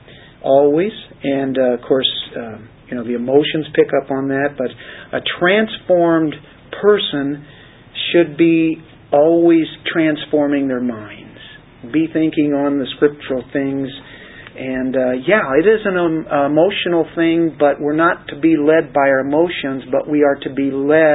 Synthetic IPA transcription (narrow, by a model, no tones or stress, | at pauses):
ʔɔlˠwiz̥ɨ̃nʌv̥kʰɔɹsʌjɨnoʊðiɨmoʊʃɨ̃nz̥pʰɪkʌpn̩ðæt̚b̥ʌɾʔɨtʰɹ̥æ̃nsfɔɹm | pʰɜ˞sɨ̃n | ʃɨd̚bi | ɔlˠwiz̥tʰɹ̥æ̃nsfɔɹmɪ̃ŋðə˞mãɪ̃ndz̥ | biθɪ̃ŋkɪ̃ŋə̃nðɨskɹɪp̚t͡ʃəɹl̩ˠθɪ̃ŋz | ɨ̃njæɪɾɪzɨ̃nəɪmoʊʃɨnl̩ˠθɪ̃ŋbʌʔ̚wɪɹnətʰɨbilɛd̚baɪɨmoʊʃɨ̃nzbʌʔwiə˞ɾɨbilɛ